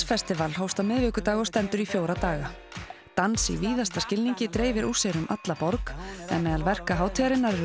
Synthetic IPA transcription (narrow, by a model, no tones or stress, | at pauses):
fɛst̪ɪvalɦoːwst̪awmɪðvɪːhkʏt̪aːɣɔst̪ɛnt̪ʏɾifjoːwɾat̪aːɣat̪ansḭviːðast̪ascɪlniɲcɪt̪ɾeːjvɪɾu̥seɾʏmʔa̰t̪lapɔɾkɛ̰nmɛðalvɛr̥kaɦaːwt̪ʰiaɾɪnːaɾɛɾ